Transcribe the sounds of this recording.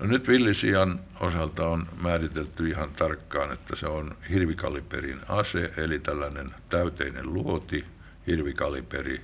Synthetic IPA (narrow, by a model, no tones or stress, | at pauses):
nonyt̪ʋilːisiɑn | osɑlt̪ɑonmæːrit̪elt̪ːyihɑnt̪ɑrkːɑːnet̪ːæseonhirʋikɑ̰lipḛrḭnɑseʔelit̪ælːænent̪æyt̪ḛinḛlluot̪i | hirʋikɑlipḛri